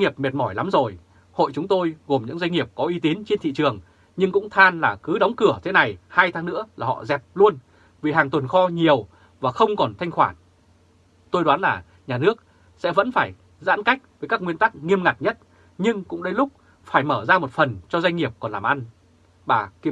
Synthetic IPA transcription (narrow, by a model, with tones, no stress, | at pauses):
ŋi˨˩əp̚me˨˩t̚mɔ˧˩jla˨˦mzo˨˩j | ho̰˧˨jt͡ɕʊ˨˦ŋ͡mt̪o˧jɣo˨˩mɲɨ̰˧˥ŋza˧jŋ̟ŋi˨˩əp̚kɔ˨˦ʔi˨˧˦t̪i˨˦nt͡ɕe˧nt̪ʰḭ˧˨t͡ɕɨ˨˩əŋ | ɲɨ˧ŋkʊ̰˧˥ŋ͡mt̪ʰaː˧nlaː˨˩kɨ˨˦ɗɔ˨˦wŋ͡mkɨ˧˩ət̪ʰe˨˦na˨˩jhaː˧jt̪ʰaː˨˦ŋnɨ̰˧˥əlaː˨˩hɔ̰˧˨zɛ˨˩p̚lu˧ən | vi˨˩ɦaː˨˩ŋt̪wə˨˩nxɔ˧ɲi˨˩əw | vaː˨˩xə˧wŋ͡mkɔ˨˩nt̪ʰa˧ŋ̟xwaː˧˩n | t̪o˧jɗwaː˨˦nlaː˨˩ | ɲaː˨˩nɨ˦˥ək̚ | sɛ̰˧˥və̰˧˥nfaː˧˩j | za̰ː˧˥nka˦˥jk̟̚vəː˨˦jkaː˦˥k̚ŋwi˧ənt̪a˦˥k̚ŋi˧əmŋa˨˩t̚ɲə˦˥t̚ | ɲɨ˧ŋkʊ̰˧˥ŋ͡mɗə˧jlʊ˦˥k͡p̚ | faː˧˩jməː˧˩zaː˧mo˨˩t̚fə˨˩nt͡ɕɔ˧zwa˧jŋ̟ŋi˨˩əp̚kɔ˨˩nlaː˨˩mʔa˧n | ɓaː˨˩ki˨